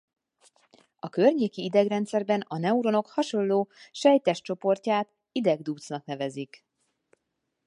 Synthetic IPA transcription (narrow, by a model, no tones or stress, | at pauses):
ɒkø̞rɲeːkiid̪ɛɡrɛnt̪sɛrbɛnɒnɛuɾo̞no̞khɒʃo̞lloːʃɛjt̪ɛʃt͡ʃo̞po̞rcaːt̪ | id̪ɛɡd̪uːt̪snɒknɛvɛzik